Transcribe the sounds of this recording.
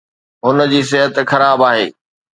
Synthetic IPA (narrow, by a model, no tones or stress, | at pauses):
ɦʊnə̆d͡ʑiːs̬ɪɦət̪xɐɾaːbaːɦḛː